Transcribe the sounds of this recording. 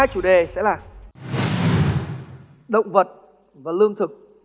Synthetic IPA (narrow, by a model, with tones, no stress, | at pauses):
t͡ɕu˨˧˩ɗe˨˩sɛ̰˧˥laː˨˩ | ɗə̰˧˨wŋ͡mvə˨˩t̚ | vaː˨˩lɨ˧əŋt̪ʰɨ˨˩k̚